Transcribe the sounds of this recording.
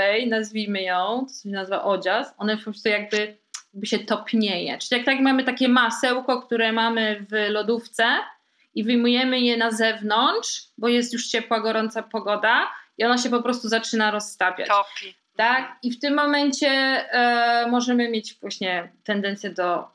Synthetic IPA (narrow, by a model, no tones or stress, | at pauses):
ɛjnazvʲimɘjɔ̃w̃t̪ɔ̥sɔɕɛnazva̰ʔɔd͡ʑasɔnɛpɔpɾɔst̪ujaɡ̚bɘ | jaɡ̚bɘɕɛt̪ɔpʲɲejɛ̰t͡ʂɘlʲijak̚t̪akmamɘt̪akʲɛmasɛwkɔkt̪uɾɛmamɘvlɔd̪uft̪sɛ | ivɘjmujɛmɘjɛnazɛvnɔntʂbɔjɛst̪juʂt͡ɕɛpwaɡɔɾɔnt̪sapɔɡɔd̪aiɔnaɕ̬ɛpɔpɾɔst̪uzat͡ʂɘnaɾɔsːt̪apʲja̰ | t̪akift̪ɪmːɔmɛnt͡ɕɛ | mɔʐɛmɘmʲjet͡ɕvwaɕɲɛt̪ɛnd̪ɛnt̪sʲjɛd̪ɔ